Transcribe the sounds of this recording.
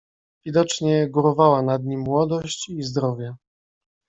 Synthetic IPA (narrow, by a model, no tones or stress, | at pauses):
vʲid̪ɔt͡ʂɲɛɡuɾɔvawanad̪ɲimːwɔd̪ɔɕt͡ɕizd̪ɾɔvʲjɛ